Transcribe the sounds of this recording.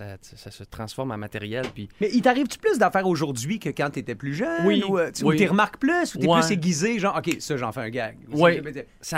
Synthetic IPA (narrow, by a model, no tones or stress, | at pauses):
sasesasət̪χɑ̃sfɔʁmɛ̃mat̪eʁjɛlpimɛʔit̪aʁiːvt̪y̥plʏs̬d̪afɛːʁoʒʊʁd̪d͡zɥikəkɑ̃t̪yet̪ɛplyʒœnwiueut̪eʁəmaʁkplysut̪eɨseɡʲizeʒɑ̃ʁɔkʲesɔʒɑ̰̃fɛɛ̃ɡaɡwimɛ | sa